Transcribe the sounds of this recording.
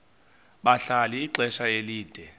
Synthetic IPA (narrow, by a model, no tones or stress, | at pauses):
ɓaɬaliiǀʱɛʃajeliːd̥ʱɛ